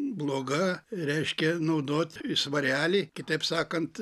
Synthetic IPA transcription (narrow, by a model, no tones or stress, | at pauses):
blˠoːɡɐɾʲɛɪʃʲkʲɛnɐʊd̪oːt̪ʲsʋɐɾʲæːlʲiːkʲɪt̪ɐɪpsɑːkɐnt̪